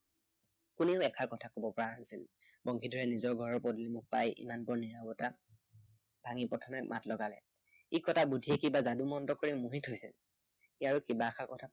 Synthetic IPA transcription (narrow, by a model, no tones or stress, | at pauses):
kuneʊɛkʰaɹkɔtʰakobɔpɔɹanaisil | bɔŋkʰidʱɔɹɛnizɔɹɡʱɔɹɔɹpɔdlimʊk̚pajḭmanpɔɹniɹabɔta | b̥ʱaŋipɔtʰɔmɛk̚mʔa̰tlɔɡalɛ̰ | ikɔtʰabudʱiɛkibazadumɔntɔkoɹimuɦitɦojsil | iaɹʊkibaːxʰaɹkɔtʰa